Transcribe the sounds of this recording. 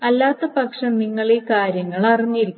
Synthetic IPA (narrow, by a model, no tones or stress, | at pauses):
ɐlːaːt̪ːɐpɐkʂɐmniŋːɐɭekaːɾjɐŋːɐɭɐriɲːiɾikʲː